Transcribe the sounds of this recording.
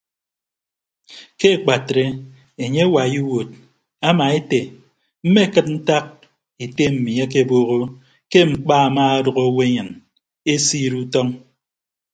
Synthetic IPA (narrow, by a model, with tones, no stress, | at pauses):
ke˦˨k͡pa˨tɾe˦ | e˨ɲe˦wa˨ji˦wo˨t̚ | a˦ma˨e˦te˨ | m̩˦me˦˨kɨ˦t̚n̩˦ta˦k̚ | e˨te˦m̩˨mi˨a˦k̬e˦˨boː˦ɣo˦ | ke˦mŋ͡m̩˨k͡paː˦a˨ma˦a˦dɔ˨ɣo˦we˦ɲɨ˨n | e˦siː˦ɾu˦tɔ˦ŋ